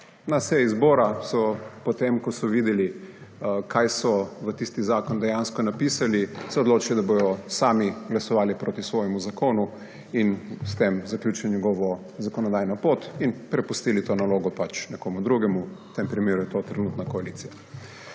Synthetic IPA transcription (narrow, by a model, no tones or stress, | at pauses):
nasɛizboːɾasɔpɔt̪emkɔsɔʋiːd̪ɛli | kʰajsɔʋət̪ist̪izaːkɔnd̪ɛjanskɔnapisalisɛod̪loːt͡ʃilɔd̪aboj̪ɔsaːmiɡlasɔʋaːlipɾoːt̪isʋɔːjɛmuzakoːnu | inst̪emzaklʲuːt͡ʃiɲʲɛɡɔʋɔ | zakɔnɔd̪ajnɔpoːt̪inpɾɛpust̪iːlit̪oːnaloːɡɔpat͡ʃnɛkoːmud̪ɾuɡɛmut̪empɾimeːɾujɛt̪ot̪ɾɛnut̪nakɔaliːt̪sija